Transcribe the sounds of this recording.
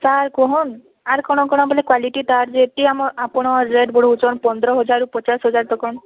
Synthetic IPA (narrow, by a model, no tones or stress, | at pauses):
saɾkɔɦɔn | aɾkɔɽ̃ɔkɔɽ̃ɔbɔlekwaliʈit̪aɾd͡ʒeeʈ̪iamɔʔapɔɽ̃ɔɾɾeɖbɔɽout͡ʃɔnpɔnd̪ɾɔɦɔd͡ʒaɾupɔt͡ʃasɦɔd͡ʒaɾt̪ɔkɔn